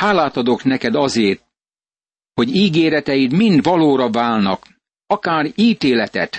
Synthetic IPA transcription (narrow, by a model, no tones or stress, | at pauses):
haːlaːt̪ɒd̪o̞knɛkɛd̪ɒzeːrt̪̚ | ho̞ɟiːɡeːɾɛt̪ɛjit̪mind̪ʋɒloːɾɒvaːlnɒ̰k | ɒkaːriːt̪eːlɛt̪ɛ̰t̪